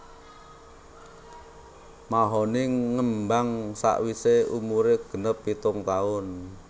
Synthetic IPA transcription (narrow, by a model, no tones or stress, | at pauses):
maɦɔnɪŋŋəmbaŋsa̰ʔwiseumuɾeɡ̥ə̤nəpːit̪ʊŋt̪aʊn